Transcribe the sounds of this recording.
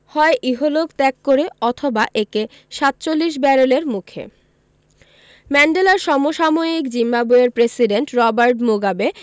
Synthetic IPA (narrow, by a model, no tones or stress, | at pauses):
hɔeʔiɦolokt̪ɛkːoɾeɔt̪ʰobaʔeke | ʃat̪̚ːt͡ɕolːiʃ̬bɛɾoleɾmukʰḛ | mɛɳɖelaɾʃɔmoʃamoikd͡ʑimːaboeɾpɾesiɖeɳʈɾɔbaɾʈmoɡabe